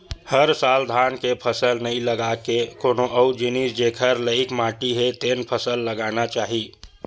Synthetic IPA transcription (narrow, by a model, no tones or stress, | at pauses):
həɾsaːld̪ʱaːnkepʰəsəlnəĩləɡakekoːnoʔəud͡ʒinisd͡ʒekʰəɾləɪkmaːʈiɦet̪eːnpʰəsəlːəɡaːnat͡ʃaːɦiː